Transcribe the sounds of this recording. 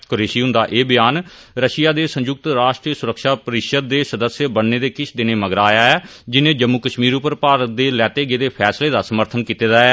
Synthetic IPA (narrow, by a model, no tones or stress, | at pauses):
koɾeːʃiːɦʊ̃nd̪aːʔeːbɪjaːn | ɾəʃɪjaːd̪eːsə̃ɲd͡ʒʊk̚t̪ɾaːʃʈɾiːəsʊɾəkʃaːpəɾɪkʃət̪̚d̪eːsəd̪əsjəbənːeːd̪eːkɪt͡ʃʰd̪ɪneːməɡɾaːjaːɛːd͡ʒɪnẽːd͡ʒəmːuːkəʃmiːɾʊpəɾpaːɾət̪̚d̪eːlɛːt̪eːɡeːd̪eːpʰɛːsleːd̪aːsəməɾt̪ʰənkiːt̪eːd̪aːɛː